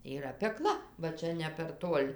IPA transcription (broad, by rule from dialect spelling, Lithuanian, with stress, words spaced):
iːˈrɐ pʲɛˈklˠɐ ʋɐ ˈt͡ʃʲɛ nʲɛ pʲɛr ˈtuɔlʲ